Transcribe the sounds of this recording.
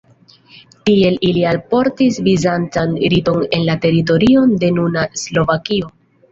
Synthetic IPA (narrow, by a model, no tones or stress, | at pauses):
tie̞lʔilialpo̞ɾtisvizant͡sanɾito̞ne̞nlate̞ɾit̬o̞ɾio̞nde̞nunaslo̞vakio̞